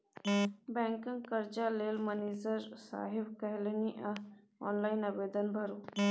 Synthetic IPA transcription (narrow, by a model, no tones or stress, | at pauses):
bɛ̃ŋkə̃ŋɡkəɾd͡ʒalelməned͡zəɾsa̰ɦebkəɦlniʔa | ɔ̰nlainəbed̪ənbʱəɾuː